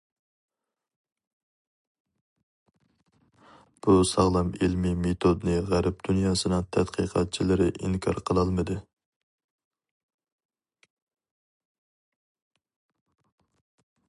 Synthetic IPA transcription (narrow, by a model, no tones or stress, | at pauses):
b̥usɑʁlˠɑmilmɪmet̪ʰod̪nɨʁæɾp̚d̪̥unjɑːsɨnɨŋt̪ʰɛt̪qʰə̰qʰɑt̪̚t͡ʃʰilɪɾɪʔiŋkʰɑ̰ɾqʰəlˠɑlˠmɨd̪ɨ